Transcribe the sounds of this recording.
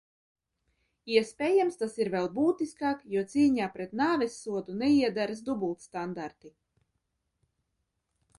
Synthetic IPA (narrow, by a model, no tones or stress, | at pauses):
iɛspʲɛːjamst̪asiɾvʲɛlˠbuːt̪iskaːkjuɔt̪siːɲaːpɾɛt̪naːvʲɛsːuɔd̪unɛiɛd̪aɾɨs̬d̪ubulˠt̪st̪and̪aɾt̪i